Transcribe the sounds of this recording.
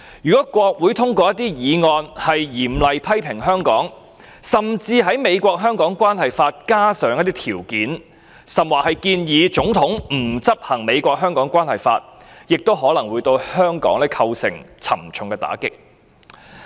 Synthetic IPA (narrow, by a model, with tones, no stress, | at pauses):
jyː˨kɔː˨˦˥kʷɔː˧k̚wuː˨˥jt̪ʰʊ˥ŋkɔː˧jɐ˥t̪iː˥jiː˨˧ŋɔː˧nhɐ˨jjiː˨˩mlɐ˨jpʰɐ˥jpʰɪ˨˩ŋɦœː˥ŋkɔ̰ː˨˥ŋ | sɐ˨mt͡siː˧ɦɐ˨˥jme˨˧jkʷɔː˧k̚ɦœː˥ŋkɔː˨˥ŋkʷaː˥nhɐ˨jfaː˧t̚kaː˥sœː˨˥ŋjɐ˥t̪̬̚ːi˥t̪ʰiː˨˩wkiː˨˥n | sɐ˨mwaː˨˩hɐ˨˩jkiː˧njiː˨˧t͡sʊ˨˥ŋt̪ʰʊ˨˥ŋm̩˨˩t͡sɐ˥p̚hɐ˨˩ŋme˨˧jkʷɔː˧k̚ɦœː˥ŋkɔː˨˥ŋkʷwaː˥nhɐ˨˩jfaː˧t̚ | jɪ˨k̚t̪o˥wɦɔː˨˥lɐ˨˩ŋwu˨˧jt̪o˧whœː˥ŋkɔ̰ː˨˥ŋlɛː˥kʰɐ˧wsɪ̰˨˩ŋt͡sʰɐ˨˩mt͡ʃʰʊ˨ŋkɛ˧t̪a̰ː˨˥kɪ˥k̚